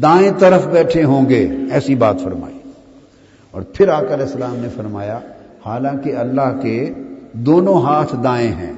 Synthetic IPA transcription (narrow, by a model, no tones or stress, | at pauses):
d̪aːẽt̪ɐɾəfbɛːʈʰeɦõːŋɡeɛːsibaːt̪fɐɾma̰ːiː | ɔ̰ːɾpʰɪɾaːkɐlɛːsːɐlaːmnefɐɾmaːja | haːlãːkeɐlːaɦked̪oːnõɦaːt̪ʰd̪aːẽɦɛ̰̃ː